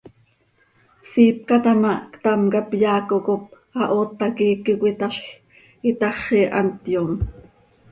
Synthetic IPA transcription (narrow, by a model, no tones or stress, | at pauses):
siːp̚kɑt̪ɑmɑʔkt̪ɑmkɑpjɑːkokop̚ | ɑʔoːt̪ːɑkiːkikʷit̪ɑɬ | it̪ɑχiʔɑ̰nt̪jom